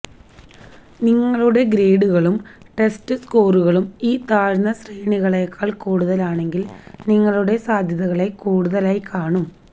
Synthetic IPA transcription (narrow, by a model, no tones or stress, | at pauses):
niŋːɐɭuɽe̞ɡɾe̞ːɽuɣɐɭum | ʈe̞stɨsko̞ːruɣɐɭumiːt̪aːɻnɐsrejɳiɣɐɭeːkʰːaːɭkuːɽuðɐlaːɳe̞ŋɡilniŋːɐɭuɽe̞saːd̪ʱjɐðɐɣɐɭe̞kuːɽuðɐlaːjikʰaːɳum